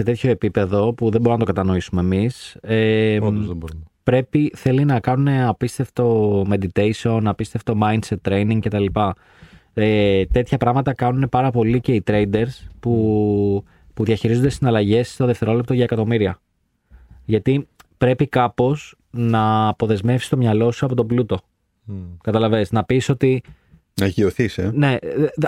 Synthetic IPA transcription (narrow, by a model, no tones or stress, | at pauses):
se̞t̪e̞t̪ço̞e̞pipe̞ðo̞puðembo̞ɾunɐt̪okɐt̪ɐno̞isume̞ːmise | bupɾe̞piθe̞linɐkɐnune̞ɐpist̪e̞ft̪o̞me̞d̪it̪ejsio̞nɐpist̪e̞ft̪o̞mɐjnse̞t̪ːɾe̞jniŋɡce̞t̪ɐlipɐ | et̪e̞t̪çɐpɾɐɣmɐt̪ɐkɐnune̞pɐɾɐpo̞lice̞it̪ɾe̞id̪e̞ɾspu | puðʝɐçiɾizond̪esinɐlɐʝe̞sːt̪oðeft̪e̞ɾo̞lep̚t̪oʝɐekɐt̪o̞miɾiɐ | ʝɐt̪ipɾe̞pikɐpo̞s | nɐːpo̞ðe̞zme̞fsist̪o̞mɲɐlo̞suɐpo̞t̪oblut̪o̞ | kɐt̪ɐlɐve̞snɐpiso̞t̪i | nɐʝioθisene̞